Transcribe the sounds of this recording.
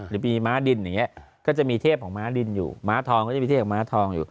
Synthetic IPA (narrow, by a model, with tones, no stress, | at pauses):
ɾɯː˨˦miː˧maː˦˥di˧nja˨˩ŋːi˦˥ɐʔkɔː˥˩t͡ɕa˨˩miː˧t̪ʰeː˥˩p̚kʰɔː˩˦maː˦˥di˧njṵː˨˩maː˦˥t̪ʰɔː˧ŋkːa˨˩˨iː˧eː˥˩kʰːɔ˩˦maː˦˥t̪ʰɔː˧ŋjṵː˨˩